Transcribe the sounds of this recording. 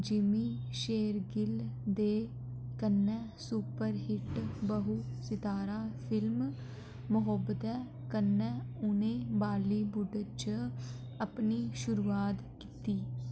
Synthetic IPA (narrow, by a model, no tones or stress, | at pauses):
d͡ʒɪmiːʃeːɾɡɪld̪eː | kənːɛː | suːpəɾɦɪʈbəɦuːsɪt̪aːɾaːpʰɪlm | mʊɦəbəd̪ɛː | kənːɛːʊnẽːbaːliːbʊɖt͡ʃə | əpniːʃʊɾuːaːt̪ | ki̥ːt̪iː